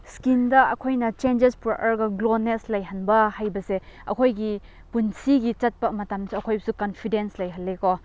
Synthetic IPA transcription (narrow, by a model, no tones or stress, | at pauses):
skindɐɐkʰojnɐt͡ʃend͡ʒespɾuʔɐɾɡɐɡloneslɐjɦɐnbɐhajbɐseɐ̰kʰojɡi | punsiɡit͡ʃɐt̚pɐmɐtamsuɐkʰojbɐsukɐnpʰidenslɐjɦɐlːeko